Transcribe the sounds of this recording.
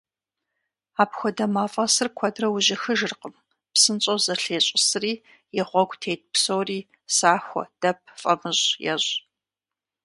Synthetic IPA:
aːpxʷɔdɐmaːfʼɐsɨrkʷʰɔdrɐwʊʑɪxɨʒɨrqəm | psɨnt͡sʼozɐɬeːɕʼɪsɨriː | jɪʁʷɔɡʷtʰeːt̚psowriː | saːxʷɔ̰d̥ɐp̚ʰfʼɐ̰mɨʑjɛ̰ʑ

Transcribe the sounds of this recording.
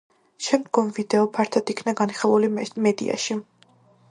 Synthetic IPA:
ʃɛmd̪ɡɔmvid̪ɛɔpʰaɾt̪ʰad̪ikʰnaɡaniχɛlˠulimɛd̪ḭʔa̰ʃi

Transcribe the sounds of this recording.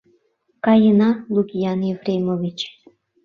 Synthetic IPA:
kɑjənɑlˠuɡʲijɑnjevrʲejmovʲit͡ɕ

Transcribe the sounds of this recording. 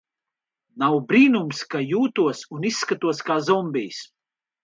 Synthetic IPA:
nawbɾiːnumskajuːt̪uɔsunisːkat̪uɔskaːzɔmbʲijs

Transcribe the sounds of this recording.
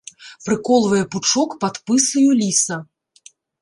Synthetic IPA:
pɾɨkɔlˠvɐjɛput͡ʂɔkpat̪pɨsɐjulʲisɐ

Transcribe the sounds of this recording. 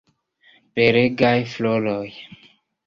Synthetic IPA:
peɾeɡajfloloj

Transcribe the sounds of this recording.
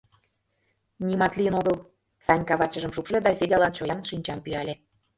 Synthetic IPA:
nʲimɑt̪liənoɣəl | sɑnʲkɑβɑt͡ɕə̆ʒəmʃukʃled̪ɑfʲed̪ʲɑlɑnt͡ɕojɑnʃinʲt͡ɕɑmpyɑlʲe

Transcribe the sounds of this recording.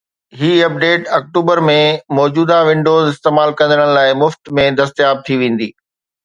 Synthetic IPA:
ɦiːɐp̚ɖeːʈɐk̚ʈuːbəɾmẽmɔːd͡ʑuːd̪aʋɪ̃ɳɖoːzɪst̪eːmaːlkɐ̃nd̪əɽə̃ɽ̃laːɪmʊft̪mẽd̪ɐst̪jaːb̚t̪ʰiʋẽːn̆d̪iː

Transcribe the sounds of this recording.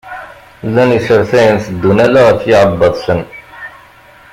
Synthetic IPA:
lːænəsəɾθæjənθəd̪ːunælæʁəɾfjɪʕəbːəðˤsən

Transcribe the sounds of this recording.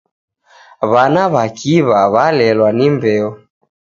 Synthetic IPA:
βanaβakiβaβalɛlwanimbɛɔ

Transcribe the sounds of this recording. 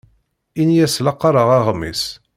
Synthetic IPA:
injæslɑqːɑɾˤəʁɑʁmːḭs

